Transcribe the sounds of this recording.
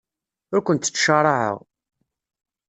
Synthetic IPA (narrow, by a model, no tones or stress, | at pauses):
ʊɾkʷənt̪ːə̥t͡sːʃəɾˤɑʕə̰ʁ